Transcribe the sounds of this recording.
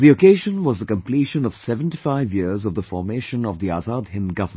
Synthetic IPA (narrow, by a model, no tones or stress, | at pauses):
ðiokeːʒə̃nwɔzðəkə̃mpliʃə̃nɔv̥sɛvə̃ntifaɪvjizɔvðəfɔːɾmeːʃə̃nɔvðia̰ːzaːd̪hɪ̃nɡʌvə˞m